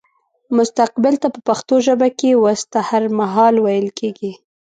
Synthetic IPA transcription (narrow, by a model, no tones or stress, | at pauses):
mʊst̪aq̚bɪlt̪apəpaxt̪oʒəbakewast̪ahaɾmaɦɑlwajəlkʰeɡi